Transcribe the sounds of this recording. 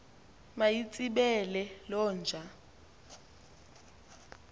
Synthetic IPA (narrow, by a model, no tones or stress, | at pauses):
majit͡sʼiɓɛlɛlɔːnd͡ʒʱa